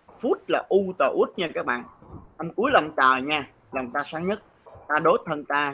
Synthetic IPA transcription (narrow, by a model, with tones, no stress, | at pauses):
fu˦˥t̚laː˨˩ʔu˧t̪əː˨˩ʔu˦˥t̚ɲaː˧kaː˦˥k̚ɓa̰ː˧˨nʔa˧mku˨˦əjlə˨˩ŋ͡mt̪əː˨˩ɲaː˧ | lə˨˩wŋ͡mt̪aː˧saː˨˦ŋɲə˦˥t̚ | t̪aː˧ɗo˨˦˥jt̪ʰə˧nt̪aː˧